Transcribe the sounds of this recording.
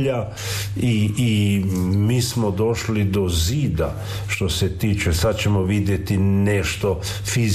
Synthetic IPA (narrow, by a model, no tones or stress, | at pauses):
a | iː | miːsmod̪o̞ʃlid̪oziːd̪a | ʃt̪o̞set̪iːt͡ʃesad̪t͡ɕe̞moʋid̪jet̪ineʃt̪o | fiz